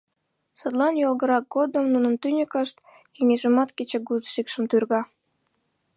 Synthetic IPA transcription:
səd̪lɑnjolɣəɾɑk̚ɡod̪əmnunənt̪ynʲəkəʃt̪̚ | keŋeʒəmɑt̪ket͡ɕeɡut̪ʃikʃəmt̪yrɣɑ

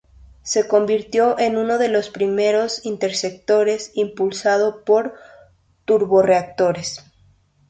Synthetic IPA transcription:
se̞ko̞mbiɾt̪jo̞ʔenũno̞ðe̞lo̞spɾime̞ɾo̞sint̪e̞ɾsek̚t̪o̞ɾe̞simpulsað̞o̞po̞ɾ | t̪uɾβo̞re̞ak̚t̪o̞ɾes

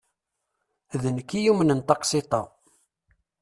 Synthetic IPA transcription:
ðənkːijumənənt̪ɑqsit̪ˤɑ

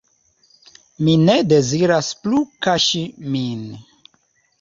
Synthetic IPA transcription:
minede̞ziɾasplukaʃimin

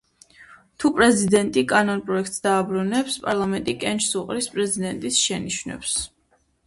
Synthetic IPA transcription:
t̪ʰupʼɾɛzid̪ɛnt̪ʼikʼanɔnpʼɾɔɛk̚ʰt̪sd̪aːbɾunɛpspʼaɾlˠamɛnt̪ʼikʼɛnt͡ʃsuqʼɾispʼɾɛzid̪ɛnt̪ʼisʃɛniʃvnɛ̰ps

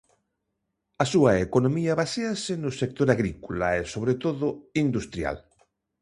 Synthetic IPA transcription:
asuaekonomiaβaseasenʊsek̚t̪oɾaɣɾikola̰esoβ̞ɾet̪oðʊind̪ust̪ɾja̰l

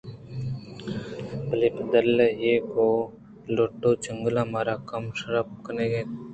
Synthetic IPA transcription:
plɪpd̪əlejeːkoː | loːʈːoːt͡ʃəŋɡlãːmaːɾaːkəmʃəɾəp̚kəneːɡeː

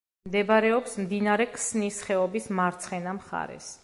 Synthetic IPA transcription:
md̪ɛbɾɛɔpsmd̪inaɾɛkʰsnisχɛɔbismaɾt̪sʰχɛnamχa̰ɾɛ̰s

